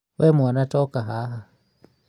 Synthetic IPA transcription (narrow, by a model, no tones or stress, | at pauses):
wʔɛmuanatɔkaɦaɦa